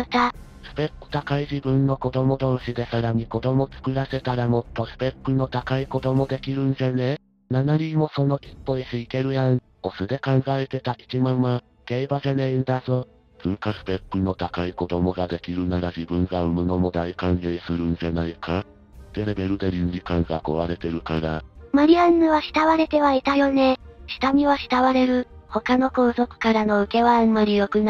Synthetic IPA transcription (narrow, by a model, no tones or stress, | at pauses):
t̪a | sɨ̥pe̞pːɯ̥t̪akaiʑibɯ̟̃nːo̞ko̞d̪o̞mo̞d̪o̞ːɕid̪e̞saɾaɲ̟iko̞d̪o̞mo̞t͡sɨ̥kɯ̟ɾase̞t̪aɾamo̞t̪ːo̞sɨ̥pe̞pːɯno̞t̪akaiko̞d̪o̞mo̞d̪e̞kʲiɾɯ̟̃nd͡ʑane̞ | nanaɲimo̞so̞no̞ʔipːo̞iɕiike̞ɾɯ̟jan | osɨd̪e̞kãŋɡaet̪e̞t̪aʔit͡ɕimãmːa | ɡ̥eibaʑaneĩd̪azo | sɨːkasɨ̥pe̞pːɯ̟no̞t̪akaiko̞d̪o̞mo̞ɡad̪e̞kʲiɾɯ̟naɾad͡ʑibɯ̟̃ŋɡaɯmɯ̟no̞mo̞d̪aikãŋɡesɨɾɯ̟̃nzanaikʰa | t̪e̞ɾe̞be̞ɾɯ̟d̪eɾʲĩɲd͡ʑikãŋɡako̰βaɾe̞t̪e̞ɾɯ̟kaɾamaɾʲiãnːɯ̟βaɕi̥t̪aβaɾe̞t̪e̞βait̪ajo̞ne̞ɕi̥t̪amʲiβaɕi̥t̪aβaɾe̞ɾɯ̟ho̞kano̞ko̞ːzo̞kɯ̟̥kaɾano̞ɯ̟ke̞βãːmːaɾʲijo̞kɯ̟n